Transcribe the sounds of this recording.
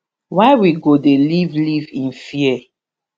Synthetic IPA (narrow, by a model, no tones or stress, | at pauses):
waɪwiɡodelivlivĩnfiɛ